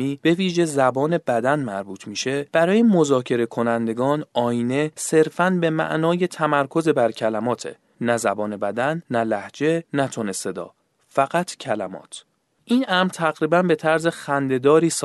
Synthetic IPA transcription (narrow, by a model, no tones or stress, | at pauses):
iːb̥e̞viːʒe̞zæbɒːne̞bæd̪ænmæɾbuːt̪ʰmiːʃe̞b̥æɾɒːjemo̞zɒːcʰe̞ɾe̞kʰo̞nænd̪e̞ɡɒːnʔɒːine̞se̞ɾfænbe̞mæ̰ʔnɒːje̞t̪ʰæmæɾkʰo̞zebæɾcʰælæmɒːt̪ʰe̞̰ | næzæbɒːne̞bæd̪ænːælæhd͡ʒe̞næt̪ʰonese̞d̪ɒ̰ː | fæɣæt̪ʰcʰælæ̰mɒ̰ːt̪ʰ | ʔiːnʔæmɾt̪ʰæɣɾiːbænbe̞t̪ʰæɾze̞xænd̪e̞d̪ɒːɾiːs